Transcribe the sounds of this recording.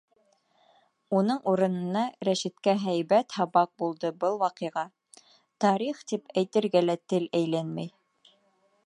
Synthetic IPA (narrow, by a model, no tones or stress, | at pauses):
unɤɴuɾɤ̆nɤ̆nɑɾæʃit̪kæɦæjβæt̪hɑβɑq̚bulˠd̪ɤbɤlˠwɑqɤ̆jʁɑ | t̪ɑɾiχt̪ipæjt̪ɘ̆ɾɡælæt̪ɘlæjlænmæj